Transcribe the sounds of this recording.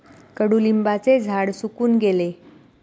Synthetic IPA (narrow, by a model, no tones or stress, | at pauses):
kəɽuːlimbat͡sed͡zʱaɽsukuːnɡele